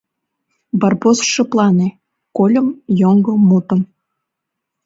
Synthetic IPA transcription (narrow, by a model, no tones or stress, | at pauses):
bɑrbosʃĕplɑne | kolʲə̆mjoŋɡomut̪ə̆m